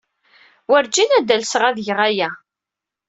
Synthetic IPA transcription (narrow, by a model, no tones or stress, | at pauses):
wæɾd͡ʒinæd̪ælsʁæðjəʁæjæ